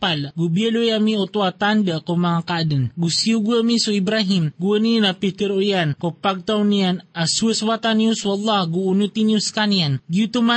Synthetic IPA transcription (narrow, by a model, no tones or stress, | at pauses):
palɡubiəlujamiot̪uat̪andaʔkomaŋakadənɡusiuɡuamisuibɾaɦimɡuəninapit̪iɾoʔjankopaɡ̚t̪awnianasuəswat̪anːiusuɑlːɑhɡuːnut̪iniuskanianɡiut̪uma